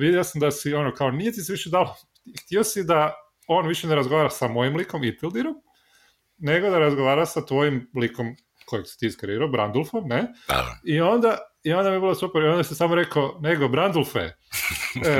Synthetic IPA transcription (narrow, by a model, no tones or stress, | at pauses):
ʋid̪jeosamd̪asio̞nokaonijet̪isʋiʃed̪alo | xt̪iosid̪a | o̞ːnʋiʃeneɾazɡoaːɾasamo̞jimliko̞mit̪ilˠd̪iɾom | ne̞ɡo̞d̪aɾazɡoʋaːɾasat̪ʋo̞jimliko̞m | ko̞jeksi̥t̪iːskaɾiɾaːbɾand̪olˠfomnḛio̞nd̪aio̞nd̪amiebilosupeɾiond̪asisamoɾe̞kone̞ɡo̞bɾand̪ulˠfḛ